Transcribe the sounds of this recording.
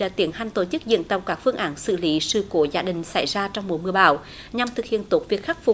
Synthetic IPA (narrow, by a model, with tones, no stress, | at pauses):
aː˨˩t̪i˨˦ənha˧˩ŋt̪o˧˩t͡ɕɨ˦˥k̚zɨ̰˧˨ənt̪ə˨˧˩wkaː˦˥k̚fɨ˧əŋʔaː˨˦nsɨ̰˧˨li˨˦sɨ̰˧˩ko˧˦zaː˧ɗï˨˩ŋ̟sa˧˩˦jzaː˧t͡ɕɔ˧wŋ͡mmo˨˩jmɨ˨˧˩əɓa̰ː˧˨˩w | ɲa˨˩mt̪ʰɨ˨˩k̚hḭ˧˨ənt̪o˨˦˥t̚vi˨˩ək̚xa˦˥k̟̚fʊ˨˧˩